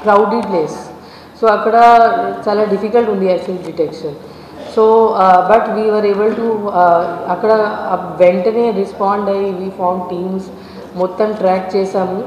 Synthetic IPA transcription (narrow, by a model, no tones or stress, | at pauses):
kɾaʊɖipleːs | soɐkɽat͡ʃalaɖɪfikəlʈɦũnd̪iaɪt̪ʰĩŋkɖɪʈekʃə̃n | soːbɐʈʋiːʋəɾeːbəlʈu | ɐkɽaɐʋẽɳʈneɾɪspɔ̃ːɳɖajʋiːfɔːɾmɖʈĩːmz | mot̪ːəmʈɾɛk̚t͡ʃeːsɐm